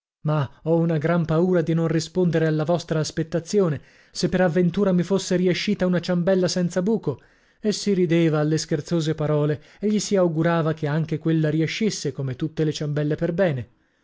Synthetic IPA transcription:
maɔunaɡɾampauːɾad̪inonrispond̪eɾealːavɔst̪ɾaːspet̪ːat̪sːjoːne | sepːeɾavːent̪uːɾamifosːeɾieʃːiːt̪aunat͡ʃambɛlːasɛnt̪sabuːko | esːiɾid̪eːvaːlːeskert̪soːzepaɾɔːle | eʎːisiawɡuɾaːvakeaŋk̟ekwelːaɾieʃːisːekomet̪ːut̪ːelet͡ʃambɛlːeperbɛːne

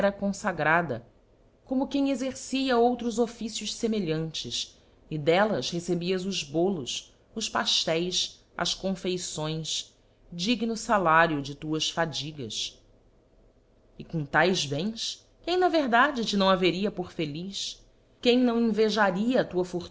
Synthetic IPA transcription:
ɾɐkõsaɡɾad̪ɐ̰ | kõmʊkẽj̃ezeɾsiɐowt̪ɾʊzofisjʊʃsemeʎɐ̃nt͡ʃɪs | ɪd̪ɛlɐshesebiɐzʊzbolʊs | ʊʃpa̰ʃt̪ɛjs | ɐ̰ʃkõfejsõj̃s | d͡ʒiɡnʊsalaɾjʊd͡ʒɪt̪uɐsfad͡ʒiɡɐ̰s | ɪkõt̪ajzbẽj̃s | kẽj̃nɐveɾd̪ad͡ʒɪt͡ʃɪnɐ̃w̃aveɾiɐpoɾfeliʃ | kẽj̃nɐ̃w̃ẽveʒaɾiɐːt̪uɐfoɾ

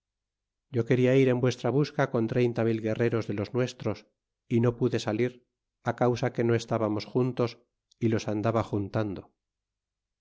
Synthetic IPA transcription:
ɟ͡ʝo̞ke̞ɾiaiɾe̞mbwe̞st̪ɾaβ̞uskako̞nt̪ɾe̞jnt̪amilɣe̞re̞ɾo̞zðe̞lo̞znwe̞st̪ɾo̞s | ino̞puðe̞saliɾ | akawsake̞no̞e̞st̪aβamo̞sxunt̪o̞s | ilo̞sand̪aβaxunt̪and̪o̞

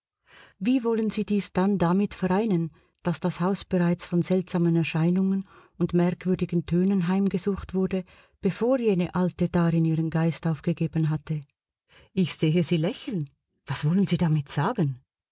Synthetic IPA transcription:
viːvɔlənziːdiːsd̥andamɪtfɛʁaɪnən | d̥asd̥ashaʊsb̥eʁaɪt͡sfɔnzɛltz̥aːmənɛɐʃaɪnʊŋənʊndmɛʁkv̥ʏɐdɪɡən̩tʰøːnənɦaɪmɡəzuːxtv̥ʊɐdə | b̥efoːʁjeːnəʔaltəd̥aːʁɪniːʁənɡaɪstaʊfɡ̥əɡeːbənɦatʰə | ɪçz̥eːəziːlɛçl̩n | v̥asv̥ɔlənziːdamɪtz̥aːɡən

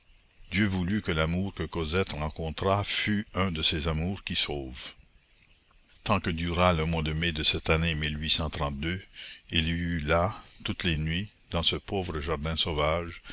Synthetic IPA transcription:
d̪jøvulykəlamuːʁkəkɔzɛt̪ʁɑ̃kɔ̃t̪ɾafyœ̃d̪əsezamuːʁkʲisoːv | t̪ɑ̃kəd̪yːʁaləmwad̪əmed̪əsɛt̪anemilɥisɑ̃t̪ɾɑ̃t̪̚d̪øilylat̪ut̪lenɥi | d̪ɑ̃səpoːvɾəʒaʁd̪ɛ̃sovaːʒ

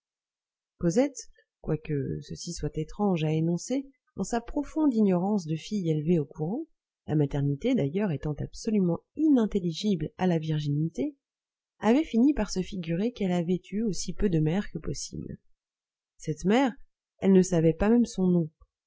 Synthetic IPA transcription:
kozɛt̪ | kwakəsəsiswat̪et̪χɑ̃ʒaenɔ̃se | ɑ̃sapχɔfɔ̃d̪iɲɔʁɑ̃sd̪əfijelveokuʁɑ̃ | lamat̪ɛʁnit̪ed̪ajœʁet̪ɑ̃t̪apsɔlymɑ̃inɛ̃t̪eliʒiblalaviʁʒinit̪e | avɛfinipaʁsəfiɡʲyʁekɛlavɛt̪ʰyosipød̪əmɛʁkəpɔsḭbl | sɛt̪mɛʁ | ɛlnəsavɛpamɛmsɔ̃nɔ̃

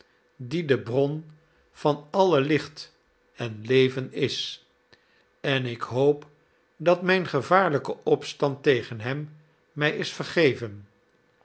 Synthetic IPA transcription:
didəbrɔn | v̥ɑnɑləlɪχt | ɛnlejvənɪs | ɛnɪkɦowp | dɑtmɛjnχəvaːɹləkəʔɔpstɑntejχənɦɛmː | ɛjɪsfəɹχejvən

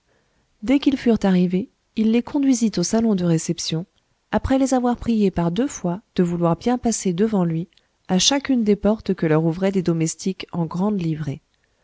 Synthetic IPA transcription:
d̪ɛkilfyʁt̪aʁive | ilːekɔ̃d̪ɥizit̪osalɔ̃d̪əʁesɛpsjɔ̃ | apχɛlezavwaʁpχijepaʁd̪øfwad̪̥əvulwaʁbjɛ̃pased̪əvɑ̃lɥi | aʃakʲynd̪epɔʁt̪kəlœʁuvʁɛd̪ed̪ɔmɛst̪ikɑ̃ɡʁɑ̃d̪livʁe

